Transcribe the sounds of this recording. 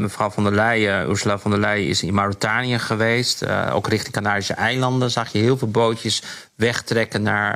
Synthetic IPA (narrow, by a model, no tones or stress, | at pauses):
məfrɑwvɔndəlɛjṵɹsulafɔndəlɛjɪ̰sɪnmawritaːniəχəʋejsto̰wkrɪχtɪŋkanaːdisəʔɛjlɑndənzɑχjəɦɪːlˠvɪːlˠbowtjəs | ʋɛχtrɛkənːaɹ